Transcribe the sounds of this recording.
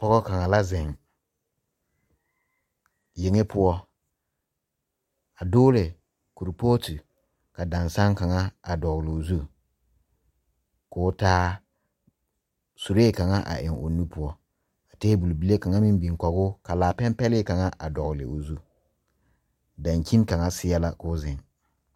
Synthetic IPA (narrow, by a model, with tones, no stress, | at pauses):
pɔ˦ɣɔ˦ka˨ŋa˨la˦zɪ˨ŋ | je˨ŋe˦pʊ˦ɔ˦ | a˨dʊː˦lɪ˨ | ku˨ɾpo˦ti˨ | ka˨da˨nsa˦ŋka˨ŋa˦a˨dɔ˨ɣlɪ˨o˨zu˦ | kʊː˨˦taː˦ | su˨ɾe˦˨ka˨ŋa˦ʔa̰˨ʔɪ˨ŋo̰˨nu˦pʊ˦ɔ˦ | a˨teː˦bu˨lbi˨le˦ka˨ŋa˦mi˦m˦bi˨ŋkɔ˨ɣʊ˦ka˨laː˨pɛ˦mpɛ˦lɪ˦ka˨ŋa˦ʔa˨dɔ˨ɣlɪ̰˨o˨zu˦ | da˨ŋki˦nka˨ŋa˦sɪ˦ɛ˦la˦kʊː˦zɪ˨ŋ